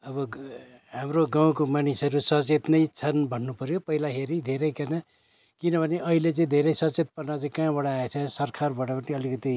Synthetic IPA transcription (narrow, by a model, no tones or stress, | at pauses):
ʌbʌ | ɦamroɡãw̃komanisʌɾusʌt͡set̪nʌjt͡sʰʌnbʱʌnːupʌɾjopʌɦilaɦeɾid̪ʱeɾʌjkana | kinʌbʱʌneʔʌɦilet͡sʌĩd̪ʱeɾʌjsʌt͡set̪̚pʌrnat͡sʌĩkãbʌɽaːet͡sʰʌsʌrkʰarbʌɽapʌnĩʌlikʌt̪i